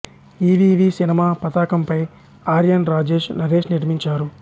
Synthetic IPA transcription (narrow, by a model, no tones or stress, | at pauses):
iːʋiːʋiːsinimaːpɐt̪aːkɐmpɐj | aːɾjɐnɾaːd͡ʒe̞ːʂnɐɾe̞ːʃniʈmiɲt͡ʃaːɾu